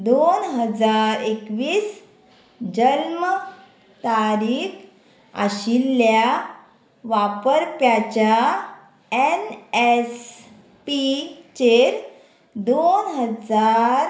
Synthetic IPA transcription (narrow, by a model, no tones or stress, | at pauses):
d̪onɦəd͡zaɾekʋiːs | d͡ʑəlmə | t̪aɾiːk | a̰ɕilːja | ʋapəɾpjat͡ɕja | enes | pit͡ɕeɾ | d̪onɦəd͡zaɾ